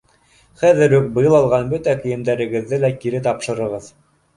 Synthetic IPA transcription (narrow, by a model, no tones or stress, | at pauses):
χæðɘ̆ɾɵk̚bɤ̆jɤlˠɑlˠʁɑnbɵt̪ækɘ̆jɘ̆md̪æɾɘ̆ɡɘ̆ðːɘlækiɾɘt̪ɑpʃɤ̆ɾɤ̆ʁɤð